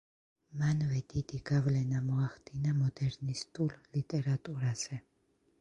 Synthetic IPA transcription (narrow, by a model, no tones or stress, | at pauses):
manvɛd̪̥id̪iɡavlɛnamɔaχd̪inamɔd̪ɛɾnist̪ʼullit̪ʼɛɾat̪ʼuɾaz̥ɛ